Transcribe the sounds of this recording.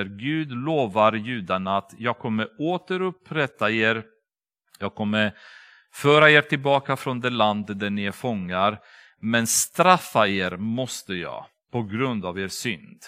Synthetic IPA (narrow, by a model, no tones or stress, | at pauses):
ɾɡʉ̟ːd̪loːvaɾjʉ̟ːd̪anaat̪jɑːɡ̚kʰɔmːəɾoːt̪əɾɵpːɾɛt̪ːaeːɾ | jɑːɡ̚kʰɔmːəɾ | fœːɾaeːɾʈ̪ʰɪlbɑːkafɾɔnd̪ɛland̪d̪æɳɪæɾfɔŋːaɾ | mɛnst̪ɾafːaeːɾmɔst̪əjɑ̰ː | pʰɔɡɾɵnd̪aveːsʏ̰nd̪̥